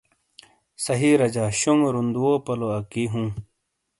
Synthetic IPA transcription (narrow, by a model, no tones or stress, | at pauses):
sɐɦiɾɐd͡ʑaːɕuŋɾund̪uopɐloɐkiɦũː